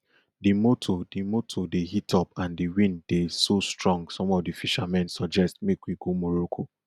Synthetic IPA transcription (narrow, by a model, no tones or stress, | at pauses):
dimotʰodimotʰodeɦitʰɔpãndiwĩnddesostɹɔ̃ŋɡsɔ̃mɔvdifiʃamɛ̃nsɔd͡ʒɛstmekwiɡomɔɹokʰo